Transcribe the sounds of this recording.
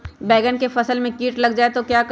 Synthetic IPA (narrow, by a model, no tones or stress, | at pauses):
bɛːɡənkefɐsəlmẽkiːʈlɐɡd͡ʒaːet̪okjaːk